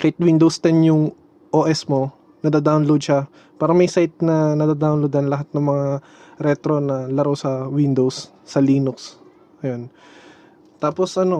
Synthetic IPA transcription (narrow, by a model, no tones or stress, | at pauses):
kɐɪt̪̚wind̪owst̪ɛnjʊŋ | ʔoːʔɛsmo | nɐd̪ad̪awnlowd̪̚ʃa | paːɾɐmɐjsajt̪̚nɐnɐd̪aːd̪awnlowd̪ɐnlɐɦat̪̚nɐŋmɐŋa | ɾɛt̪ɾo̞nɐlɐɾosɐwɪnd̪owsː | ɐliːnʊks | ʔɐjon | t̪aːpo̞sʔɐno̞